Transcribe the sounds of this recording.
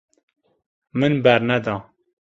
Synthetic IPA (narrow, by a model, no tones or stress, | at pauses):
mɨnbɛɾnɛd̪ɑː